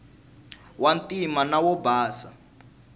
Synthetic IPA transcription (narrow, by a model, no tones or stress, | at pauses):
wantʼimanawɔbaːsa